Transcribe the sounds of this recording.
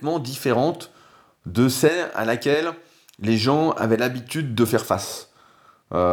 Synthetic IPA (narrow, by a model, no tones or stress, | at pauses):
mɑ̃d̪ifeʁɑ̃t̪ | d̪əsɛna̰lakʲɛlː | eʒɑ̃a̰vɛlabit̪yd̪ːəfɛʁfas | ø